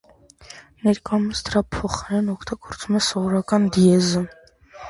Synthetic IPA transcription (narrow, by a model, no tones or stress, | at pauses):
nɛɾkɑməsʰd̪əɾɑpʰɔχɑɾɛnɔkʰt̪ɑɡɔɾt͡sumɛsɔvɔɾɑkɑnd̪iɛzə